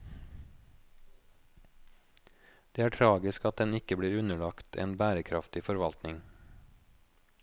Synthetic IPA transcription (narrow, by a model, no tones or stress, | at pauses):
d̪̥eːæːʈʰɾɑːɡɪskɑt̪̚d̪ɛnɪkəbɽiːɾʉnəɭɑkt̪ʰḛːnbæːɾəkʰɾɑft̪ɪfɔɾʋɑlt̪nɪŋ